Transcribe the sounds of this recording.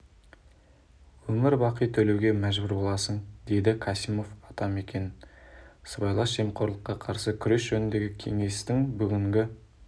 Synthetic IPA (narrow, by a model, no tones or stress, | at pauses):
wɵmɪɾbɑqijt̪ʰɵle̞wɡʲe̞mæʒbʏɾbo̞lˠɑsənd̪e̞jd̪ɪkʰɑsimo̞fɑt̪ɑme̞kʲe̞n | səbɑjlˠɑsʒemqʰo̞ɾlˠəqːɑqʰɑɾsəkʲʰʏɾe̞sʒ̥ɵnɪnd̪e̞ɡʲɪkʲʰe̞ŋe̞st̪ɪŋbʏɡʲɪŋɡʲɪ